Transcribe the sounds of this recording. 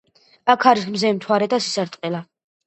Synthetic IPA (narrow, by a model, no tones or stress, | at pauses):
akʰaɾikmzɛmt̪ʰwaɾɛd̪asisaɾt̪ʼqʼɛla